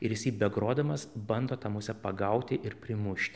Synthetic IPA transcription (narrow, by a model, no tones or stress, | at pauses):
ɪɾjɪsʲɐɪbʲɛɡɾoːd̪ɐmɐsbɐnd̪oːt̪ɑmʊsʲɛpɐɡɐʊt̪ʲɪʔɪɾpʲɾʲɪmʊʃʲt̪ʲɪ